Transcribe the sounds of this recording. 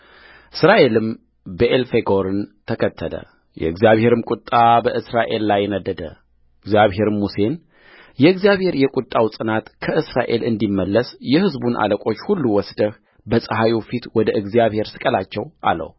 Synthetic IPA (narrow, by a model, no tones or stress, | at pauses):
ʔɨsɾaʔe̞lɨm | bəʔelfe̞ɡoɾɨnt̪ʰəkʰət̪ʰːələ̰ | jɛ̰ɨɡzijaβhe̞ɾɨmkʼut̪ʼːabəʔɨsɾaʔe̞lːajnəd̪ːəd̪ə | ɨɡzjaβɦe̞ɾɨmuse̞n | jɛɨɡzjaβhe̞ɾjɛkʼut̪ʼːawsʼɨnat̪kʰəʔɨsɾaʔe̞lɨnd̪imːəlːəsjɛhɨzbunʔa̰ləkʷʼo̞t͡ʃːhulːuwɔsd̪əh | bəsʼəɦajufit̪wɔd̪əʔɨɡzijaβhe̞ɾsɨ̥kʼəlat͡ʃːɛwʔa̰lə̰w